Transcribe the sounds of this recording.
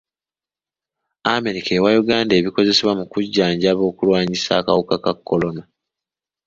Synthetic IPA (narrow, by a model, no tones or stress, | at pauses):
ame̞ɾikʰeːwajuɡaːnde̞ːβiko̞ze̞se̞βwamukuɟːaːɲɟaβo̞ːkulwaːɲisa̰ːkawokakakːo̞lo̞na